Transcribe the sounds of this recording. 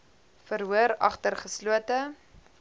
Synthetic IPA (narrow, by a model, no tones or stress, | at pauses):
fəɾɦuəɾɐ̰χtərχəsluətə